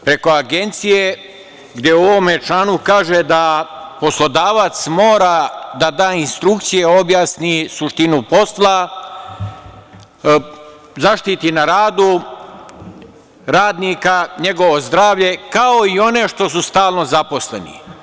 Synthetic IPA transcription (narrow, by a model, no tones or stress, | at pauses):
pɾe̞ko̞aɡe̞nt̪sije | ɡd̪je̞oʋo̞met͡ʃlanukaːʒed̪apo̞slˠo̞d̪aːʋat̪smo̞ːɾad̪ad̪aːinst̪ɾukt̪sijeo̞bjaːsnisuʃt̪inupo̞slˠa | zaʃt̪it̪inaɾaːd̪u | ɾaːd̪nikaɲe̞ɡo̞ʋo̞zd̪ɾaːʋʎe̞kao̞io̞neʃt̪o̞s̬ust̪aːlˠno̞zapo̞sle̞̰nḭ